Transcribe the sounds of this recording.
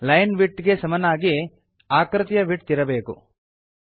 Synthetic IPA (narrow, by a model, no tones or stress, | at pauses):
lɐjnʋiʈːɡe̞sɐmɐnaːɡi | aːkɾɨt̪jɐʋiʈt̪iɾɐbe̞ːkṵ